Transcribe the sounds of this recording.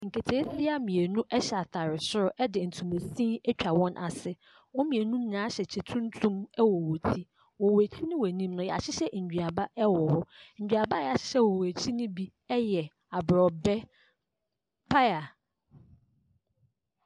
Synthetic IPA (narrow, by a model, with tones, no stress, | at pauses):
ŋ̩˨kʰe˨tʰe˨˦θɪ˦a˦mĩ˨e˨nũ˦ʔɛ˦ɕɛ˨a˨tʰa˨ɾɪ˨sʊ˦ɾʊ˦ʔɛ˦dɪ˨n̩˨tʰũ˨me˨sĩ˦ɛ˦t͡ɕᶣa˨wɔ̃˦nʔa̰˨sɪ˦ | wɔ̃˦mĩ˨e˨nũ˦n̩˦nã˦ɕɛ˨t͡ɕʰɛ˨tʰũ˦n˦tʰũ˦mɛ˦wɔ˨wo˨tʰi˦ | wɔ˨we˨t͡ɕʰi˦nɪ̃˦wɔ˨nĩ˦mnʊ̃˦jɛ˨a˨ɕɪ˦ɕɛ˦ɲ̩˨d͡ʑᶣɥa˨ba˦ʔɛ˦wɔ˨hɔ˦ɲ̩ᶣ˨a˨ba˦jɛ˨a˨ɕɪ̥˦ɕɛ˦wɔ˨we˨t͡ɕʰi˦nɪ̃˦bi˦ | ɛ˦jɛ˨ | a˨bɾɔ˨bɛ˦ | pʰa˦ja˨